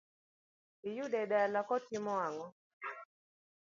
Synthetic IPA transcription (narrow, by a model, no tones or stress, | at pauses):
ɪjudɛdaalakɔtɪmɔaŋɔ